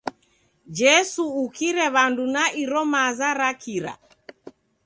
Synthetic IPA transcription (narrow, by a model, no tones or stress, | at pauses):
d͡ʒɛsuːkiɾɛβandunaiɾɔmazaɾakʰiɾa̰